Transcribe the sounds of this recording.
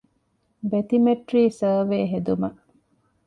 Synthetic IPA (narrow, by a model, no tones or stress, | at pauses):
bet̪imeʈɾiːsəːʋeːɦed̪umɐ